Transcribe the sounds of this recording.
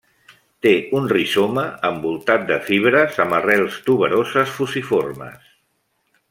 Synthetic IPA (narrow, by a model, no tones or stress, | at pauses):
t̪eunrisoməəmbulˠt̪at̪̚d̪əfiβ̞ɾəzəmərɛlˠst̪uβəɾozəsfusifo̰rmə̰s